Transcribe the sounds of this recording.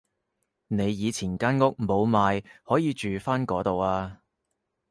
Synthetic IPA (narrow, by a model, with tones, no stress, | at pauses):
ne˨˧jːiː˨˧t͡sʰiː˨˩nkaː˥nŋʊ˥k̚mo˨˧wmaː˨˧jhɔː˨˥jiː˨˧t͡ʃyː˨faː˥nkɔː˨˥t̪o˨waː˧